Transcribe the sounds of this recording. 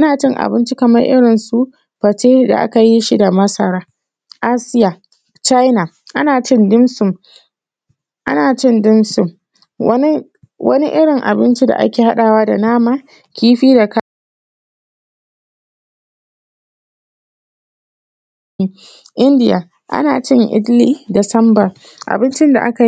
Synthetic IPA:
ʔa˦naː˨t͡ʃɪ˦ŋʔa̰˨bɪ˦nt͡ʃi˦kɐ˨mɐ˦rʔɪ̰˦ɽɪ˨nsu˦ | ɸɐ˨t͡ʃeː˦da̰˨ʔa̰˦ka˨ji˦ʃi˦da˨mɐ˦sɐ˨ɽaː˦ | ʔaː˦sɪ˦ja˨ | t͡ʃa˦jna˨ | ʔa˦naː˨t͡ʃɪ˦ndɪ˦msʊ˨m | ʔa̰˦naː˨t͡ʃɪ˦ndɪ˦msʊ˦˨m | wɐ˦ni˦ | wɐ̰˦ni˦ʔɪ˦ɽɪ˨ŋʔa̰˨bɪ˦nt͡ʃi˦da̰˨ʔa̰˦kʲeː˨ha˦ɗaː˨waː˦da˨naː˦maː˨ | kʲiː˦ɸiː˦da˨ka˦ | ʔɪ˦ndɪ˦˨ja̰ː˨ | ʔa̰˦naː˨t͡ʃɪ˦ŋʔɪ̰˦dliː˦da˨sɐ˦mbɐ˨ | ʔa̰˨bɪ˦nt͡ʃɪ˦nda̰˨ʔa̰˦ka˨

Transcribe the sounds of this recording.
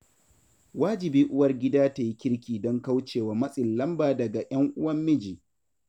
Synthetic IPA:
waː˦d͡ʒɪ˨biː˦ʔʊ˦wɐ˦rɡʲɪ˦daː˦ta˨ji˦kʲɪ˦ɾkʲiː˨dɔ˦ŋka˦wt͡ʃeː˨waː˨mɐ˦sʼɪ˨llɐ˦mbaː˨dɐ˨ɡa˨j̰ɐ˦ŋʔʊ˦wɐ˦mːɪ˦d͡ʒiː˨

